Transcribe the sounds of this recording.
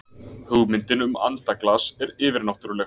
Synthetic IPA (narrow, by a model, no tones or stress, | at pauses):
hœɣmɪnt̪ɪnʏma̰nt̪aklasɛɾɪːvɪɾnawht̪ʏɾlɛ